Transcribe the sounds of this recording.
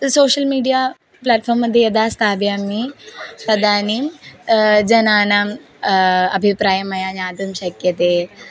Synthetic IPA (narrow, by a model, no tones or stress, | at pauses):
soːɕəlmiːɖija | plaːʈfʰɔːɾmːəd̪ʱːjejɐd̪ast̪ʰaːʋjamit̪ɐd̪aːni | d͡ʑɐnaːna | ɐbʱipɾaːjəmɐjaɲaːd̪ɐmɕɐkjɐt̪e